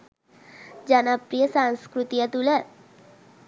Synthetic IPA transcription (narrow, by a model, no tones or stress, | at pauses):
d͡ʒanapɾijəsanskɾut̪ijat̪ulə